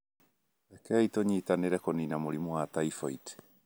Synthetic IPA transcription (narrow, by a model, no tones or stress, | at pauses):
ɛkɛitoɲitaneɾɛkoninamoɾimwataifait